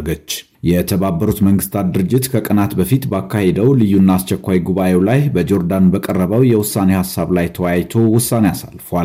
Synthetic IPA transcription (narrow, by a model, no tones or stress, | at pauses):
ɡət͡ʃː | jɛt̪ʰəβabːəɾut̪məŋɡɨst̪ʰat̪d̪ɨɾɨd͡ʒːɪt̪kʰəkʼənat̪bəfit̪bakʰːahe̞d̪əwlɨjːunːaːst͡ʃɛkʷːajɡuβaje̞wlajbəd͡ʒo̞ɾd̪anbəkʼərːəβəwjɛwʊsːane̞hasːaβlajt̪ʰəwajt̪ʰo̞wʊsːane̞asa̰lfal